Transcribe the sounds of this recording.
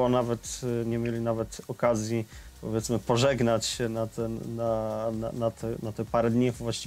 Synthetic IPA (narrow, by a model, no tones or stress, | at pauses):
ɔnavɛt̪ɲɛmʲjelʲinavɛt̪ɔkazʲjipɔvʲjɛt̪smɘpɔʐɛɡnat͡ɕɕɛnat̪ɛnnana̰nat̪ʰɛnat̪ɛpaɾɛd̪ɲivvwaɕt͡ɕi